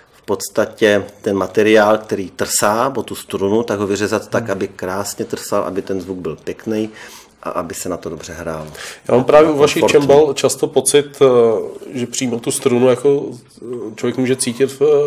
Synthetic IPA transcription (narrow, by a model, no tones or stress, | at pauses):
fpo̞t̪st̪acɛt̪ɛnmat̪ɛɾɪaːlk̚t̪ɛɾiːt̪r̩saːbot̪ust̪ɾunut̪aɡɦovɪrɛzat̪ːakʔabɪkɾaːsɲɛt̪r̩salʔa̰bɪt̪ɛnzvuɡ̚bɪlpjɛknɛj | ʔa̰ʔabɪsɛnat̪odo̞br̝̥ɛɦɾaːlja̰ːmampɾaːvjɛuvaʃɪt͡ʃt͡ʃɛmbalt͡ʃast̪opot͡sɪt̪ | ʒɛpr̝̥ijːmalt̪ust̪ɾunujako | t͡ʃlovjɛkmuːʒɛt͡siːcɪt̪f